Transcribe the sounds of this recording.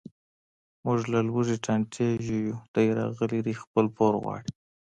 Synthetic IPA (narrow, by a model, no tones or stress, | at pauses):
mʊʐlalwuʒeʈaɳʈʰeʒujud̪̥ajɾɑ̰ɣəlid̪ixpəlpʰoɾɣwɑ̰ɽi